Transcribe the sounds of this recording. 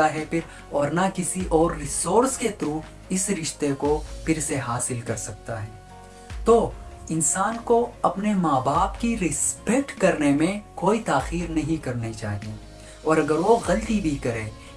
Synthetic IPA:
aɦɛpʰɪɾ | ɔːɾnakɪsiʔɔːɾːɪsoːɾsket̪ɾuː | ɪsɾɪʃt̪ekopɪɾseɦaːsɪlkɐɾsɐk̚t̪aɦɛː | t̪oːɪnsaːnkoɐpnemaːbaːpkiɾɪspek̚ʈkɐɾnemẽkoːit̪aːxiːɾnɐɦĩkɐɾnet͡ʃaːɦie | ɔːɾɐɡəɾʋoɣɐlt̪ibʱikɐɾeː

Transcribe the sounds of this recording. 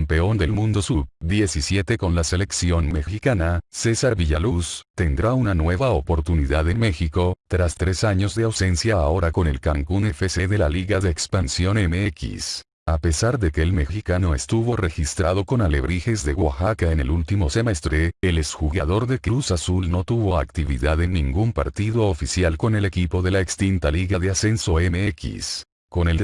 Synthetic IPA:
mpe̞o̞nd̪e̞lmũnd̪osubd̪je̞sisje̞t̪e̞ko̞nlase̞le̞ksjo̞nme̞xikanase̞saɾβiʝalust̪e̞nd̪ɾaunanwe̞βaopo̞ɾt̪uniðaðe̞nme̞xiko̞t̪ɾast̪ɾe̞saɲo̞zðe̞awse̞nsjaːo̞ɾako̞ne̞̰lkaŋkunefese̞ðe̞laliɣaðe̞ːkspansjo̞nemeekḭs | ape̞saɾðe̞ke̞ːlme̞xikano̞est̪uβo̞re̞xist̪ɾað̞o̞ko̞nale̞βɾixe̞zðe̞ɣwa̰xakaene̞lult̪imo̞se̞me̞st̪ɾe̞elesxuɣaðo̞ɾðe̞keɾusasulno̞t̪uβo̞akt̪iβḭðaðe̞nːĩŋɡumpa̰ɾt̪iðo̞ofisjalko̞ne̞le̞kipo̞ðe̞laekst̪int̪aliɣaðe̞ase̞nso̞emeekḭs | ko̞ne̞l

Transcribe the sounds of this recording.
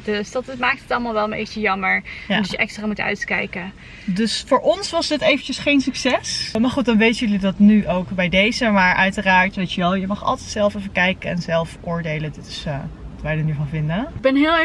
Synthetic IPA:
døsd̥ɑtmaːk̚tətɑlˠmalˠʋɛlˠəmbḛtəjɑməɹjadɑjəʔɛkstraːmutœ̰ɥtkɛ̰jkə | dɵsfʊːɹʔɔnsʋɑsdɪtejvənt͡ʃəsχejnsyksɛsmaːɹχut̚dɑnʋejtəjɵlidɑtnyʔowkbɛjdejzəmaːɹʔœɥtəraːɹtʋejtəʋɛlˠjəmɑχɑ̰lˠtɛjtsɛlˠfɛfəkɛjkəɛnzɛlˠfʔʊːɹdejlədɪtɪ̥sʋɑtʋɛjdənyvɑnvɪndəɡ̚bɛnɦɪːlˠ

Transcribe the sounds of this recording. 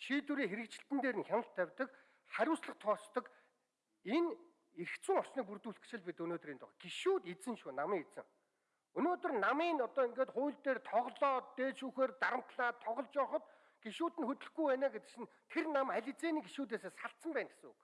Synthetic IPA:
t͡ɕʰit̪uɾiːŋxeɾɘ̆k̚t͡ɕɪ̆ɬt̪ɘ̆nt̪eːɾɘ̆nxʲanə̆ɬt̪ʰːæwʲt̪ə̆k | χæɾʲʊːsɮə̆χt̪ʰɔːst̪ɞ̆k | en | eɾkt͡sɘ̆ŋɔr̥sniːk̚p̬urt̪uːɮt͡ɕɪ̆ɮpit̪ɵnoːt̪ɵ̆riːnt̪ʊ̰ʁa̰ɡ̥iʃuːt̪it͡sɘ̆ŋʃuːnamiːŋit͡sɘ̆ŋ | ɵnoːt̪ɵ̆rnamiːnɔt̪ɔːiŋɡeːt̪χʊjɮt̪eːrt̪ʰɔʁɮɔːeːʃuːxeːrt̪aɾə̆m̥t̪ɮaːt̪ʰɔʁɞ̆ɮt͡ɕɔːχɞ̆t̪ | ɡ̥iʃuːt̪ɘ̆nxɵt̪ɵ̆ɮɡujpæːnaːɡet̪ɘ̥̆kt͡ɕɪ̆n | t̪ʰernamæɮʲɪ̆t͡seːniːɡiʃuːt̪̬eːseːsaɬt̪sə̆mpæːnɡe̥sə̆ŋṵk

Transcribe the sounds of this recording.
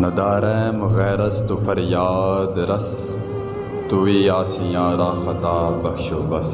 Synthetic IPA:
nɐd̪aːɾemɣɛːɾɐst̪ufɐɾjaːd̪ɾɐs | t̪uiaːsijaːɾaːxɐt̪aːbɐkʃobɐs

